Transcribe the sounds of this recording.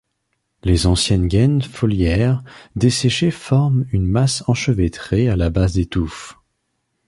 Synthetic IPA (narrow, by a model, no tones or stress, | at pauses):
lezɑ̃sjɛnɡɛnfɔljɛʁd̪eseʃefɔʁmynmasɑ̃ʃəvet̪χealabazd̪et̪uf